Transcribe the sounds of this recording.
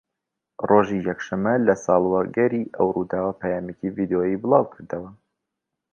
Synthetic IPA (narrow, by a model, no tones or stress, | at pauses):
rʔoʒijɛkʃɐmːɐlɐsɑːlˠwɐɡɐɾiʔɐwrud̪aːwɐpʰɛjaːmecivid̪eojibɨlˠɑːwkʰɨɾd̪əwɐ